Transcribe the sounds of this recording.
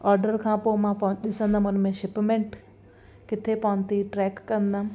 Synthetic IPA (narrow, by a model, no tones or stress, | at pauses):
ɔːɾɖəɾkʰãːpomãːpɗɪsə̃nd̪ãʊnmẽʃɪpmẽːɳʈ | kɪt̪ʰepaɦʊ̃nt̪iʈɾɛːkːɐ̃nd̪ã